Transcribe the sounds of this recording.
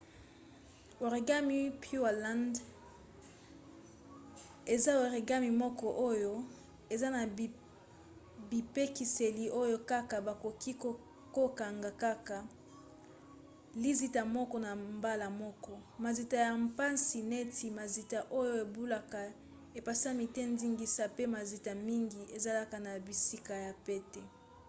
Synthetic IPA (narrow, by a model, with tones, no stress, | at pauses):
wo˨ʁi˨ɡa˦mi˦pju˦a˨la˦nd | e˨za˦o˨ʁi˨ɡa˦mi˨mɔ˦kɔ˨ʔo˦jo˦ | e˨za˦na˨ | bi˨pe˦ki˨se˨li˨ʔo˦jo˦ka˦ka˨ba˨ko˨ki˦ko˨ | ko˦ka˨ŋɡa˨ka˦ka˨ | li˦zi˦ta˨mɔ˦kɔ˦na˨mba˦la˨mɔ˦kɔ˦ma˨zi˨ta˨ja˨mpa˦nsi˨ne˦tʰi˨ma˨zi˨ta˨ʔo˦jo˦e˨bu˦la˦ka˨ | e˨pa˨sa˦mi˨te˦ndi˦ŋɡi˦sa˦pe˦ma˨zi˨ta˨mi˦ŋɡi˨ʔe˨za˦la˦ka˨na˨bi˨si˦ka˨ja˨pe˦tɛ˨